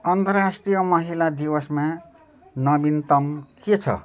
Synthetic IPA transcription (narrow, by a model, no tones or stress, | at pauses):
ʌnt̪ʌrrasʈrijʌmʌɦilad̪iwʌsmã | nʌbint̪ʌmket͡sʰʌ̰